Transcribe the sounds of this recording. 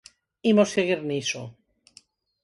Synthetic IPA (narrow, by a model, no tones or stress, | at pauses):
imoseɣiɾniso̰